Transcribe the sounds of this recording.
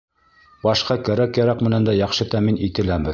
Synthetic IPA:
bɑʃqɑkæɾækːæɾækmɘ̆nænd̪æjɑχʃɤt̪æminit̪ɘ̆læmɘ

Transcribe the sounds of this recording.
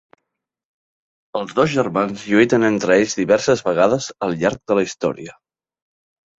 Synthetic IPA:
əlˠzðozʒəɾmanzʎuit̪ənent̪ɾəeʎzðiβɛɾsəzβəɣ̞aðəzəlˠʎaɾk̚d̪ələist̪ɔ̰ɾiə

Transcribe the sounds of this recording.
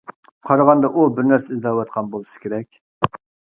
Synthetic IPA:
qʰɑɾʁɑnd̪ɑʔubɪɾnæɾsɪizd̪ɑwɑt̪̚qʰɑnbolˠɨsɨ̥kʲʰeɾɛkʲ

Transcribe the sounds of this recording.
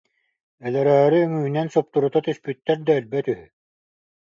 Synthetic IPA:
ɛlɛɾɛːɾiːŋyːnɛnsɔp̚t̪uɾut̪at̪yspyt̪ːɛɾd̪aœlbɛt̪yɦy

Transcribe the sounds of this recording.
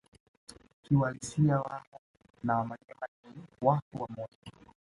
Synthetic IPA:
kiwalisiawaŋɔ | nawamaɲɛmaɲiwakuwamɔtɔ

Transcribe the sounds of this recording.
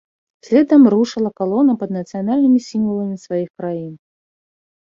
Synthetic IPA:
sʲlʲɛd̪ɐmruʂɨlˠɐkalˠɔnɐpɐd̪nɐt̪sɨjanalʲnɨmʲisʲimvɐlˠɐmʲisvajixkɾajin

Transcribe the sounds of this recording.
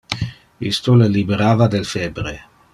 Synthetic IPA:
ḭst̪olelibeɾaːvad̪elfɛbɾe

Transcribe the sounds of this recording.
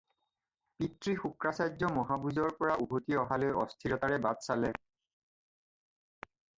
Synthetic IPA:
pitɹixukɹasajzɔmɔɦabuzɔɹpɔɹaʔuɦotiɔɦalojɔstʰiɹɔtaɹɛbadsalɛ

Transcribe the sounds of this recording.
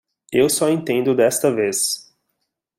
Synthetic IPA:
ewsɔẽnt̪ẽnd̪ʊd̪ɛst̪ɐves

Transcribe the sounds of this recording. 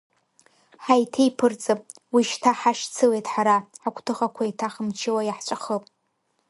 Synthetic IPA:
ħajtʰejpʰɨrt͡sʼɨpʼ | wiʃtʰaħaʂt͡sʰɨlejtʼħaɾaħakʷʰʼtʰɨχakʷʰajtʰaχəmt͡ʃʰɪwajaħt͡ʃʷʼaχəpʼ

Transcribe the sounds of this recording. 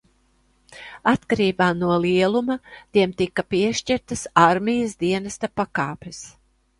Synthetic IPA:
at̪kaɾiːbaːnuɔliɛlˠumat̪iɛmt̪ikːapiɛʃt͡ʃiɾt̪ɐsaɾmʲijasd̪iɛnast̪apakaːpes

